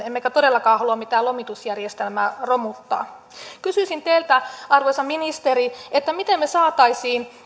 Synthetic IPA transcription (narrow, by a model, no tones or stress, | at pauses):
emːekæt̪odelːɑkɑːhɑluɑmit̪æːlomit̪usjærjest̪elmæːromut̪ːɑ̰ː | kysyisint̪eilt̪æɑrʋojsɑminist̪eɾiet̪ːæmit̪emːesɑːt̪ɑisiːn